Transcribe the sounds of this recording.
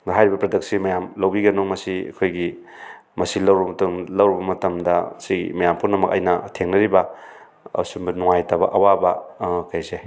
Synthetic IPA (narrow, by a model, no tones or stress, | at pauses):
ɦajɾibɐpɾɐdɐk̚simɐjamlɐwbiɡɐnomɐsiɐ̰kʰojɡi | mɐsilɐwɾbɐmɐtuŋlɐwɾibɐmɐtɐmdɐsimɐjampʰunɐmɐkɐ̰jnɐtʰeŋnɐɾibɐ | ɐ̰sumbɐnuŋajtɐbɐ̰ʔɐwabɐkɐjze